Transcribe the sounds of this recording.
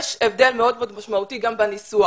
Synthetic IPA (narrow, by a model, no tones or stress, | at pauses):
ʃevd̪elmeo̞d̪meod̪maʃmaut̪iɡambenisua